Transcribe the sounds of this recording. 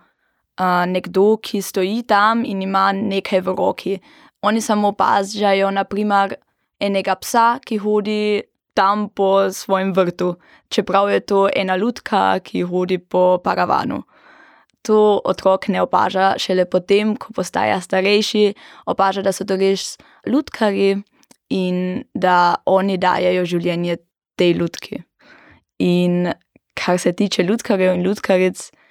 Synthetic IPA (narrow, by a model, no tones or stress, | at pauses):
ənɛɡd̪oːkʰist̪ɔiːt̪aminimaneːkʰajʋəɾɔːkʰi | ɔnisamopa̰ːzjajɔnapɾiːmɐɾ | ɛːnɛɡapsakixoːd̪i | t̪ampɔsʋɔːjemʋəɾt̪u | t͡ʃɛpɾawjɛt̪oːɛ̰ːnaluːt̪kʰa̰kʰixoːd̪ipɔpaɾaʋa̰ːnṵ | t̪oːɔ̰t̪ɾɔːknɛɔpa̰ːʒaʃɛlɛpɔt̪eːmkʰɔ̥pɔst̪a̰ːja̰st̪aɾɛjʃiɔpaːʒad̪asɔt̪oɾeʃ | luːt̪kʰaɾji | ind̪aɔːnid̪a̰ːjɛjɔʒiwljɛːnjɛ | t̪ejluːt̪kʰḭ | in | kʰaɾsɛt̪iːt͡ʃɛlut̪kaɾjɛwinluːt̪kʰaɾɛt̪s